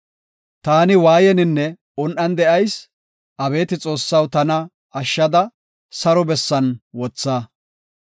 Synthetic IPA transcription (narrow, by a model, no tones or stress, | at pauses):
t̪aːnɪwaːjɛnɪnːɛ | ʊnʔɐnd̪ɛʔɐjs | ʔɐbe̞ːt̪ɪt͡sʼo̞ːsːɐwt̪ɐnɐ | ɐʃːɐd̪ɐ | sɐɾɔbɛsːɐnwɔt͡sːaː